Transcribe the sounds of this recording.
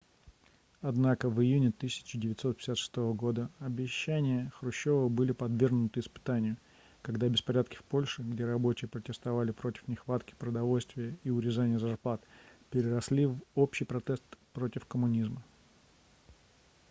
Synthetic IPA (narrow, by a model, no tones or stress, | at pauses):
ɐd̪nakəvɨjunʲɪt̪ɨsʲɪ̥t͡ɕːɪdʲɪvʲɪt̪ʲsot̪̚pʲɪ̥sʲat̪ʂɨ̥st̪o̞vəɡo̞d̪əɐbʲɪɕːænʲɪjəxɾʊɕːo̞vəbɨlʲɪpɐd̪vʲerɡnʊt̪ɨɪspɨ̥t̪anʲɪjʊ | kɐɡd̪abʲɪspɐɾʲat̪̚kʲɪ̥fpo̞lʲʂɨɡdʲe̞ɾɐbo̞t͡ɕɪjəpɾətʲɪst̪ɐvalʲɪpɾo̞tʲɪ̥fnʲɪxvat̪kʲɪ̥pɾəd̪ɐvo̞lʲst̪vʲɪjəiʊɾʲɪzanʲɪjəzɐrplˠat̪pʲɪɾʲɪrɐslʲivo̞pɕijpɾɐt̪est̪pɾo̞tʲɪfkəmʊnʲizmə